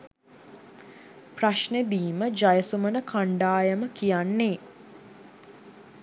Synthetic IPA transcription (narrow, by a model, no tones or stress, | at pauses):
praʃned̪iːməd͡ʒajəsumənəkʰaɳɖaːjəməkijanːeː